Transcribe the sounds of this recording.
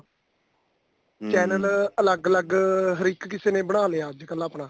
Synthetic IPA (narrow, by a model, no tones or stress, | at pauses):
t͡ʃɛːnələləɡələɡɦəɾiːkkɪseːnẽːbəɽaːleːaːd͡ʒkələpɳãː